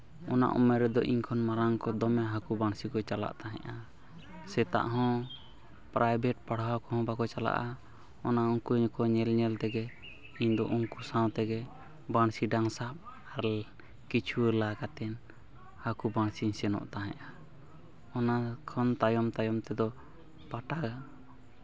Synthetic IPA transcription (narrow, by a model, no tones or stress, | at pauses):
ɔna̰ʔɔ̰mɛɾɛd̪ɔ̰ʔiɲkʰɔnmaɾaŋkɔd̪ɔmɛɦakubaɳsikɔt͡ʃala̰ʔt̪aɦɛ̰̃ʔa | sɛt̪a̰ʔɦɔ̃ | pɾʔajbɛʈ̚paɽawkɔhɔ̃bakɔt͡ʃala̰ʔa | ɔnauŋkuɲkɔɲɛlɲɛlt̪ɛɡɛ | iɲd̪ɔʔuŋkusãw̃t̪ɛɡɛ | baɳsiɖaŋsap̚ | aɾ | kit͡ʃʰuəlakat̪ɛn | hakubaɳ̃siɲsɛnɔ̰ʔt̪aɦɛ̰̃ʔa | ɔnakʰɔnt̪ajɔmt̪ajɔmt̪ɛd̪ɔ | paʈaɡa